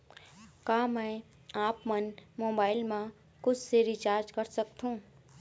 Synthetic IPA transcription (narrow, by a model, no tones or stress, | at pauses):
kaːmɛ̃ː | aːpmənmoːbaːɪlmã | kʊt͡ʃʰseɾit͡ʃaːɾd͡ʒkɐɾsɐk̚t̪ɦũː